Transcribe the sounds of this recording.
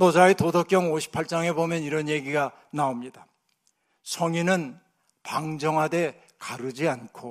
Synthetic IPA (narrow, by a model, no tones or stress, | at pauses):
nod͡ʑaetodʌk͈jʌŋoɕʰi̥pʰaɭt͡ɕ͈aŋe̞bomjʌniɾʌnje̞ɡiɡa | naomɲida | sʰʌŋinɯn | paŋd͡ʑʌŋwade̞ | kaɾɯd͡ʑiankʰo